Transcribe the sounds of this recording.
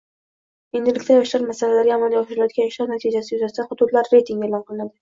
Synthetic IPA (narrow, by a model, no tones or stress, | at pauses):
e̞nd̪ɪlɪkʲt̪ʰajɒʃlaɾmasalalaɾʲjɒmɒnjɒχʃɪɾljɒt̪̚ɡʲajʃlɑɾnat̪ʰid͡ʒasɪjʊzast̪ʰanχʊt̪ʊt̪laɾːe̞jt̪ʰiŋɡʲelˠɒnqʰɨlˠɪnad̪ɪ